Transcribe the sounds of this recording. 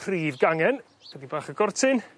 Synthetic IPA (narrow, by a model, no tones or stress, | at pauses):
riːvɡaŋɛn | kɛdibaːχəɡɔrtʰɪn